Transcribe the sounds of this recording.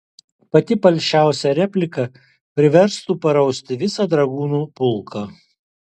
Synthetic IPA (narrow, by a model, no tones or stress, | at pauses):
pɐt̪ʲɪpɐlʲʃʲt͡ʃʲæˑʊsʲɛɾʲɛpʲlʲɪkɐ | pʲɾʲɪʋʲɛɾst̪uːpɐɾɐʊsʲt̪ʲɪʋʲɪsɑd̪ɾɐɡuːnuːpʊlˠkʰɐː